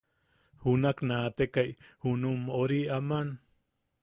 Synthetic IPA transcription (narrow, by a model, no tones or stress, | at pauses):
hunaknat̪ekajhunumoɾiaman